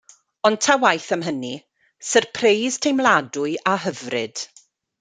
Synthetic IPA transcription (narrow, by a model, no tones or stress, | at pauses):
ɔntʰawajθamɦəni | sərpʰrejz̥tʰejmlˠadʊɨʔaɦəvrɪ̰d̥